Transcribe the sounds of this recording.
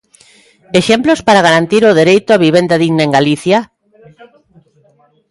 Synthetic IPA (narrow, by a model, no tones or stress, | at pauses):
eʃemplospaɾaɣaɾant̪iɾʊðeɾejt̪ʊaβiβ̞end̪aðiɣnaeŋɡaliθja